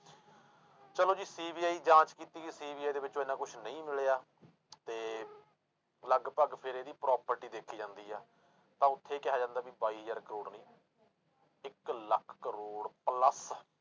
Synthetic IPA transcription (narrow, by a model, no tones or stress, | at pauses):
t͡ʃəloːd͡ʒiːsiːbiːaːiːd͡ʒãːt͡ʃkiːt̪iːɡiːsiːbiːaːiːd̪eːʋɪt͡ʃːõːeːnãːkʊt͡ʃʰnəĩːmɪɭejaː | t̪eː | ləɡpəɡpʰɪɾeːd̪iːpɾɔːpəɾʈiːd̪eːkʰːiːd͡ʒãːnd̪iːɦɛː | t̪ãːʊt̪ʰːeːkɪɦaːd͡ʒãːnd̪aːbiːbaːiːɦəzəːɾkəɾoːɽnĩː | ɪkləkʰkəɾoːɽpləs